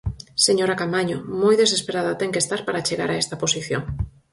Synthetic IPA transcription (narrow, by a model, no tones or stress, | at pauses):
seɲoɾakamaɲomojðesespeɾaðat̪ɛŋkest̪aɾpaɾat͡ʃeɣa̰ɾaɛst̪aposiθjo̰ŋ